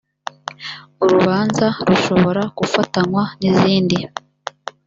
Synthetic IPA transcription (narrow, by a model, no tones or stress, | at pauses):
uɾuβaːnzaɾuʃo̞βo̞ɾakufatanwaniziːndi